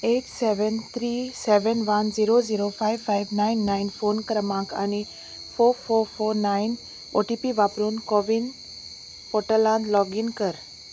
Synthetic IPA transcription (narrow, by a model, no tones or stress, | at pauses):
eːʈseʋənt̪ʰɾiseʋənʋanziɾoziɾofʰajʋfajʋnainːainfoːnkəɾmãkʰa̰ni | foɾfoːɾfoɾnain | oʈipiʋapɾuːnkɔʋin | poʈəlãnlɔɡinkəɾ